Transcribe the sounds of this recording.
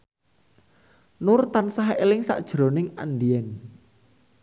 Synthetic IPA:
nʊrt̪ansaɦḛlɪŋsa̰ʔd̥ʒ̥ɾo̤nɪŋa̰nɖiɛn

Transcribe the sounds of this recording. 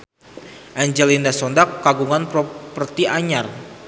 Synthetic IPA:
ʔaɲd͡ʒɛlindasɔndakːaɡuŋanpɾɔpərt̪iʔaɲar

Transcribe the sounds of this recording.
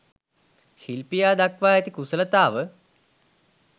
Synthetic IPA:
ʃilpijaːd̪akʋaːɛt̪ikusələt̪aːʋə

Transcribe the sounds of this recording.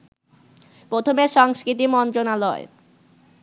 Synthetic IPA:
pɾot̪ʰomeɾʃɔŋskɾit̪̬imɔnt̪ɾonalɔe

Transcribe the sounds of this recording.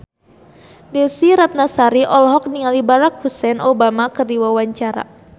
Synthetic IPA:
dɛsiɾat̪̚nasaɾiʔɔlɔɦɔk̚niŋalibaɾak̚husɛnɔbamakɨrdiwawaɲt͡ʃaɾa̰

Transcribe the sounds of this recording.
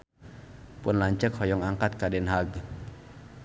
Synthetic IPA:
punlaŋt͡ɕəkʰːɔjɔŋʔaːŋkat̪̚kaːdenɦaɡ

